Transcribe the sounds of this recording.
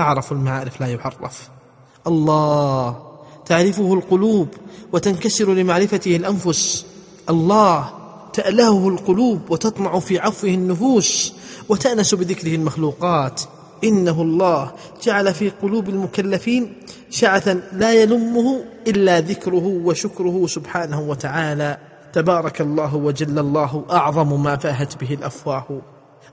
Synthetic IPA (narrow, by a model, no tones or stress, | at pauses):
ʔaʕɾˤɑfalmaʕaːɾɪflaːjʊħɑrˤːɑ̰f | ʔɑlˤːɑːht̪aʕɾɪfʊhʊlqʊluːbwat̪ankasɪɾlɪmaʕɾɪfat̪ɪhalʔanfʊs | ʔɑlˤːɑːh | t̪aʔlahʊhʊlqʊluːbwɪt̪ɑt̪ˤnɑʕʊfiːʕɑfwɪhɪnːʊfuːswat̪aʔnasʊbɪðɪkɾɪhɪlmaxluːqɑːt̪ | ʔɪnːaɦlˤːɑːh | d͡ʒaʕalafiːqʊluːbalmʊkalːafiːn | ʃaʕθanlaːjalʊmːʊhʊʔɪlːaðɪkɾʊɦʊwaʃʊkɾʊhʊsʊbħaːnahwat̪aʕaːla | t̪abɑːɾˤɑkɑlˤːɑːɦwad͡ʒalːalˤːɑːɦʔɑʕðˤɑmmaːfaːɦat̪bɪɦɪlʔafwaːh